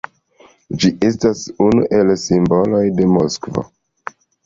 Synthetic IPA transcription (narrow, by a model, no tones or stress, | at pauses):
d͡ʒiʔestasunuʔe̞lsimbo̞lo̞jde̞moskvo̰